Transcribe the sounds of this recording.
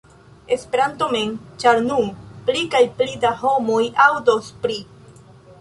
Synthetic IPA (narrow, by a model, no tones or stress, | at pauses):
e̞spe̞ɾantoment͡ʃaɾnuplikajplidaho̞mojawdospɾi